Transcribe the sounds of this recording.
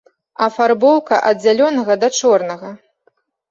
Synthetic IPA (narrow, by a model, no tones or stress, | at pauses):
ɐfarbɔwkɐʔɐd̪d͡zʲalʲɔnɐɣɐd̪ɐt͡ʂɔrnɐɣɐ